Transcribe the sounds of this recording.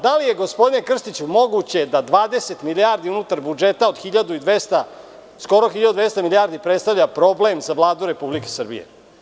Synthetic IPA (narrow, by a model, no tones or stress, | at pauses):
d̪alije̞ɡo̞spo̞d̪ine̞kr̩st̪it͡ɕumo̞ɡut͡ɕe̞d̪ad̪ʋaːd̪e̞se̞t̪miliaɾd̪iunut̪aɾbud͡ʒe̞t̪aod̪xiʎad̪uid̪ʋest̪a | sko̞ɾoxiʎad̪ud̪ʋe̞st̪amiliaːɾd̪ipɾet̪st̪avʎapɾo̞ble̞mzavlˠaːd̪uɾe̞publikesr̩bḭje̞̰